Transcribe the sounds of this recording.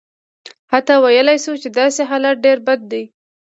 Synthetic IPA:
hat̪awajəlajʃut͡ʃed̪ɑseɦalaɖeɾbad̪̚ːej

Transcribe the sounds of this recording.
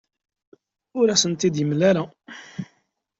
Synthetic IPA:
ʊɾæsənt̪id̪jəmlæɾa

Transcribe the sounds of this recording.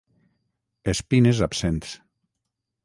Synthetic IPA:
espinezapsent̪s

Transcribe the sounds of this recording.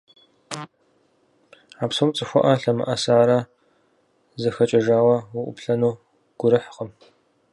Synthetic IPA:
aːpsɐwt͡sʼɨxʷɔʔɐɬɐmɨ̰ʔɐsaːɾɐ | zɐxɐt͡ʃʼɐʒaːwɐwʊʔʷʊ̰pɬɐnuː | ɡ̥ʷʊɾɨħqəm

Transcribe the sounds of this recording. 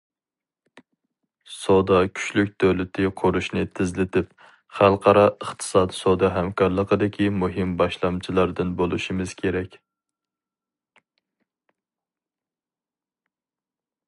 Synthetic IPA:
sod̪ɑkʲʰy̥t͡ʃlykʲd̪ʰøwlɪt̪ʰɪqʰʊɾuʃnɪt̪ʰɪzlɪt̪ʰɪp̚ | χælˠqʰɑɾɑəχt̪ʰɨ̥sɑːd̪sod̪ɑɦɛmkʰɑɾlˠəqəd̪ɪkʲʰimuɦɪmbɑʃlˠɑmt͡ʃʰilˠɑɾd̪ɨnbolˠuʃimɨz̥kʲʰeɾɛkʲ

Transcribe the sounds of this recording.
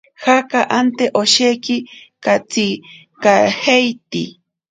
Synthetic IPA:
hakaʔant̪eʔoʃekɪkat͡si | kahejt̪ḭ

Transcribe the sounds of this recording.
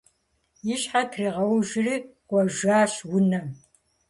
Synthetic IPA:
jɪɕħatʰriːʁɐwʒɪriːɡ̥ʷʼɔʒaːɕwʊnɐ

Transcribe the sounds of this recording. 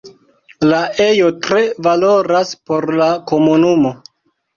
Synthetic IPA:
laʔe̞jo̞tɾe̞valo̞ɾaspo̞ɾlako̞munumo̞

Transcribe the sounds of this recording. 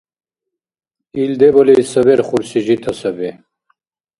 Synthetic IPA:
ild̪ebɐlesɐβeɾχuɾsiʑit̪ʰɐsɐbe

